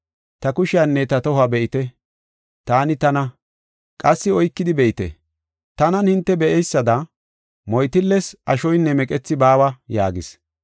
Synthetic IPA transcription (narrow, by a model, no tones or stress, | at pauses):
t̪ɐkʊʃɪɐnːɛt̪ɐt̪ɔhʊɐbɛʔɪt̪ɛ | t̪aːnɪt̪ɐnɐ | kʼɐsːɪɔjkːɪd̪ɪbɛʔɪt̪ɛ̰ | t̪ɐnɐnhɪnt̪ːɛbɛʔɛjsːɐd̪ɐ | mɔjt̪ɪlːɛsɐʃɔjnːɛmɛkʼɛt͡sːɪbaːwɐja̰ːɡɪs